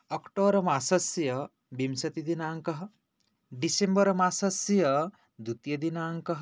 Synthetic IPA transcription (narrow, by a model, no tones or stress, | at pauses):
ɐkʈoːɾɐmaːsɐsjɐ | bimsɐt̪id̪inaːŋkɐɦɐ | ɖisembɐɾɐmaːsɐsjɐ | d̪ut̪jɐd̪inaːŋkɐɦ